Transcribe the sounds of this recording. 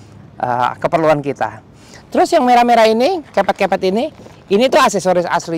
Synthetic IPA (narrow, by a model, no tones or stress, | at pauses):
ʔə̰kəpərluankit̪a̰ | t̪əɾʊsjaŋmeɾameɾainikepat̪̚kepat̪ini | init̪uasɛsoɾɪsa̰sli